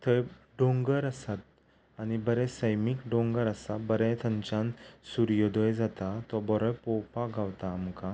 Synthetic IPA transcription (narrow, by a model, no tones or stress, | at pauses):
t̪ʰəj | ɖõŋɡəɾəsat̪̚ | anibəɾɛ̃səjmiːkɖõŋɡəɾasabəɾɛ̃t̪ʰəɲt͡ɕãnsuɾjɔd̪ɔjd͡zat̪at̪ɔbɔɾɔjpɔwpaɡawt̪aːmka